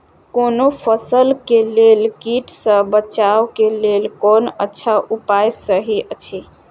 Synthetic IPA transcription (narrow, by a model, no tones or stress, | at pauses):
konopʰəsəlkelelkiʈsə̃bət͡ʃawkelelkonətːʃʰaʔupajsəɦiʔət͡ʃʰi